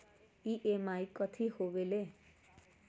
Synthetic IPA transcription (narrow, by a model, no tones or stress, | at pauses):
iʔemajkʌt̪ʰihobele